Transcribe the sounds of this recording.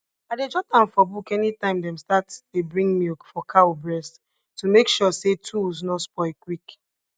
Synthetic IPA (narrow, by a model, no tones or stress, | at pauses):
aded͡ʒɔtãnfɔbukɛnitãɪ̃mdɛ̃mstatebɹĩŋmilkfɔkʰaobɹɛst | tumekʃɔsetʰulznɔspɔɪkwik